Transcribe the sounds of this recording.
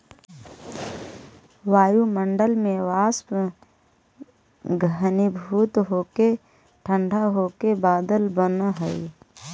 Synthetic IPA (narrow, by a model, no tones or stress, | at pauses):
ʋaːjumə̃ɳɖəlmẽʋaːsp | ɡʱənibʱuːt̪ɦoːke | ʈʰə̃ɳɖʱaɦoːkebaːd̪əlbənɦəi